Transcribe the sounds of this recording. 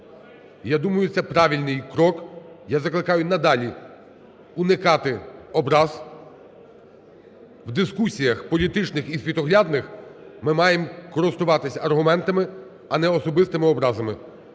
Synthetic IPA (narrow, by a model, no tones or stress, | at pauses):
jad̪umɐjʊt̪sɛpɾɑʋʲilʲnɪjkɾɔkjazɐklˠɪkɑjʊnɐd̪ɑlʲi | unɪkɑt̪ɪɔbɾɑz | wd̪ɪskusʲijɐxpɔlʲit̪ɪt͡ʃnɪxisʲʋʲit̪ɔɦlʲad̪nɪxmɪmɑjemkɔɾɪst̪ʊʋɑt̪ɪsʲɐɐrɦʊmɛnt̪ɐmɪ | ɐnɛɔsɔbɪst̪ɪmɪɔbɾɑzɐmɪ